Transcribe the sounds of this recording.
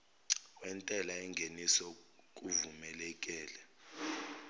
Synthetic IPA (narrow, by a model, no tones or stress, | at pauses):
wɛntʼɛlaɛŋɡʱenisɔk̬ʼuvumɛlɛkʼɛːlɛ